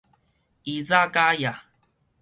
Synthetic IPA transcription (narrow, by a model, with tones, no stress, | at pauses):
i˨za˦ka˦ja˨